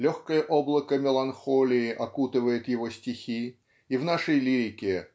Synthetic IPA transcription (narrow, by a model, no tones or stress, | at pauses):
lʲoxkəjəʔoblˠəkəmʲɪlˠɐnxolʲɪːʔɐkut̪ɨvəjɪt̪jɪvo̞sʲtʲɪxʲi | ivn̪aʂəjlʲiɾʲɪkʲɪ